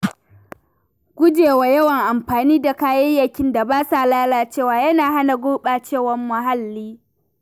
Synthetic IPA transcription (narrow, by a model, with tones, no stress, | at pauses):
ɡ̥ʷʊ˦d͡ʒeː˨wa˨jɐ˦wɐ˨ŋʔa˨mɸaː˨niː˦da˨kaː˦jɐ˦jjɐ˨kʲɪ˦nda˨baː˦sa˨laː˦laː˨t͡ʃeː˦˨waː˨jɐ˦naː˨ɦa˦na˨ɡʷʊː˦ɓaː˨t͡ʃeː˦˨wɐ˨mːɐ˨ɦa˦lːiː˦